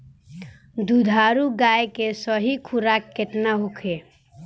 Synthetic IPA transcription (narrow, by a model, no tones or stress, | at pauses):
d̪ud̪ʱaɾuɡajekesəɦikʰuɾakːet̪naɦukʰe